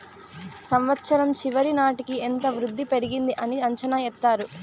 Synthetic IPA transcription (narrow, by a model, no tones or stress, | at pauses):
sɐmʋɐt̪ːʃɐɾɐmt͡ʃiʋɐɾinaːʈikient̪ɐʋɾud̪ʱːipe̞ɾiɡind̪iʔɐniɐɲt͡ʃɐnaɛt̪ːaːɾu